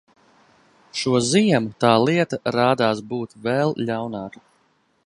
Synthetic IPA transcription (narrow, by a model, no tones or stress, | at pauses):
ʃuɔzijɛmut̪aːlˠiɛt̪aɾaːd̪aːsbuːt̪vɛlˠʎawnaːku̥